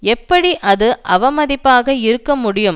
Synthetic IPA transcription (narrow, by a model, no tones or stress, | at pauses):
ɛpːɐɽiʔɐðɯʔɐʋɐmɐðɪpːaːɣɐɪɾɯkːɐmʊɽɪjɯm